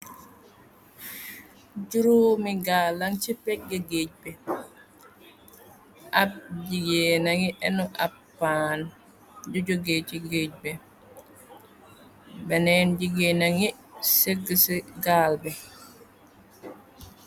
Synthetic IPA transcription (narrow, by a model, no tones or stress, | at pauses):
ɟuɾuːmiɡalːaŋt͡ʃipɛk̚ɡaɡeɟ̚bɛ | ʔab̚ɟiɡenaŋiʔɛnuʔapːaːn | ɟuɟoɡeːt͡ʃiɡeːɟ̚bɛ | bɛnɛːnɟiɡenaŋi | seɡəsiɡaːlbɛ